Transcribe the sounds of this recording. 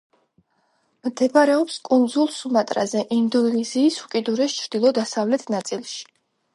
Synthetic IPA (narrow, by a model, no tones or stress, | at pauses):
md̪ʰɛpaɾɛɔpskʼund̪zulˠsumat̪ʼɾa̰zɛʔind̪ɔnnɛziːsukʼid̪uɾɛst͡ʃʰɾd̪̥ilˠɔd̪asavlɛt̪ʰnat̪sʼilˠʃi̥